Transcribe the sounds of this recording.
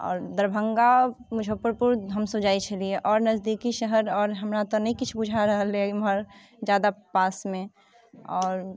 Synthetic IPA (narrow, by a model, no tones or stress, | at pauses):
ɔ̰ːɾd̪əɾbʱəŋɡamud͡ʒʱopəɾpuɾɦəmsõd͡ʒait͡ʃʰəlieʔɔːɾnəzd̪ikiʃəɦəɾɔːɾɦəmɾat̪ɔnəikit͡ʃʰbud͡ʒʱaɾəɦəlemɦəɾ | d͡ʒjad̪apasmẽ | ɔːɾ